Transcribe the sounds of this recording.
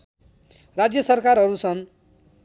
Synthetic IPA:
rad͡zjʌsʌrkarɦʌɾusʰʌn

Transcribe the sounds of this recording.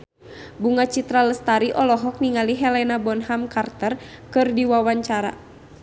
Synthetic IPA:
buŋat͡ʃit̪ɾaləst̪aɾiʔɔlɔɦɔk̚niŋaliɦɛlɛnabɔnɦamkart̪ərkɨrdiwawaɲt͡ʃaɾa̰

